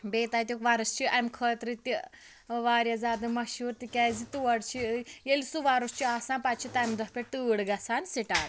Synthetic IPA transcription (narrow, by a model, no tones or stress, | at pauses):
beːt̪aːt̪̬ʲjukʋɐɾɐst͡ʃʰiʔɐmkʰəːt̪ɾɨt̪i | ʋaːɾjazaːd̪ɨmɐʃuːɾt̪ikʲɛːzit̪uɐɽt͡ʃʰijelisuʋaɾust͡ʃʰiaːsãːpat͡ʃʰit̪ɐmd̪ɐpʲeʈ̪ɨːɽɡɐsaːnsiʈaːɾ